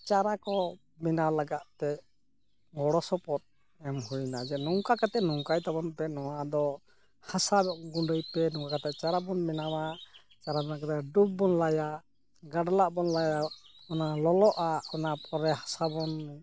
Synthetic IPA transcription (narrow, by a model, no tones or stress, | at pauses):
t͡ʃaɾakɔ | minalaɡaʔt̪ɛ | ɡɔɽɔsɔpɔt̪̚ | ɛmhujnad͡ʒɛnɔŋkakat̪ɛʔnɔŋkajt̪abɔnpɛnɔwad̪ɔ | hasabɛʔɡuɳɖəjpɛnɔŋkakat̪ɛʔt͡ʃaɾabɔnminama | t͡ʃaɾabinakɔt̪ɛɖup̚bɔnlaja | ɡaɖalaʔbɔnlajaɔnalɔlɔʔaɔnapʰɔɾɛhḁsabɔn